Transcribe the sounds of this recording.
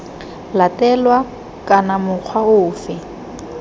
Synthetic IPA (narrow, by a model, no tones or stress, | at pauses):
latɛlwa | kʼanamʊq͡χʰwaʊːfɛ